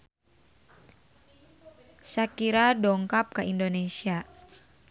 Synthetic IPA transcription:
sakiɾadɔŋkap̚kaʔindonesia

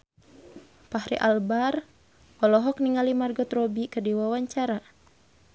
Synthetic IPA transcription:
pahɾḭʔalbar | ɔlɔɦɔk̚niŋalimarɡɔt̪rɔbikədiwawaɲt͡ʃaɾa

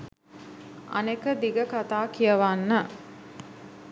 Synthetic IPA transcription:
a̰nekəd̪iɡəkat̪aːkijəʋanːə

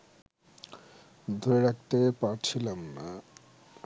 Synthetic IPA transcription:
d̪ʱoɾeɾak̚t̪epaɾt͡ɕʰilamna

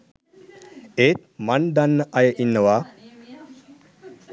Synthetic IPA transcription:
eːt̪̚mand̪anːəʔɐjəʔinːəʋaː

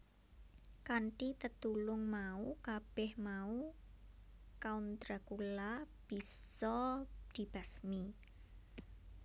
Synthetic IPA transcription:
kaɳʈit̪ət̪ulʊŋmaukab̥ɛhmau | kaunt̪ɾakula | b̥isɔd̪̥i̤b̥asmi

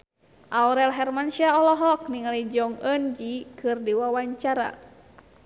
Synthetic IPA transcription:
ʔawɾɛlɦɛrmanʃiaɔlɔɦɔk̚niŋalid͡ʒɔŋənd͡ʒikʰɨrdiwawaɲt͡ʃaɾa̰

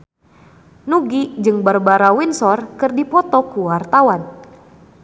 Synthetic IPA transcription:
nuɡid͡ʒɨŋbarbaɾawinsɔrkɨrdipɔt̪ɔkuwart̪awan

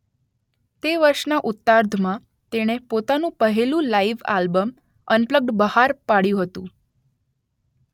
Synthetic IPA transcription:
t̪eʋəɾʃnaʔʊt̪ːaɾd̪ʱmã | t̪eɽ̃epot̪anũpəɦelũlaiʋa̰lbəm | ənpləɡ̚ɖbəɦaɾpaɽjũɦət̪ũ

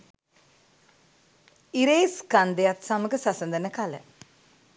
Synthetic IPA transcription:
iɾeːskand̪ejat̪saməɡəsasənd̪ənəkalə̰

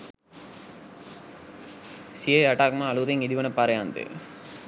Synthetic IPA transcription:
siɐjɐʈaːk̚mãːɐluðeŋid̪iʋɐnɐpaːɾɐjaːnd̪ɯ̰

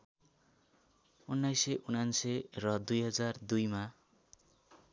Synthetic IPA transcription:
unːajsʌjʔunansʌrʌd̪ujɦʌd͡zard̪ujma

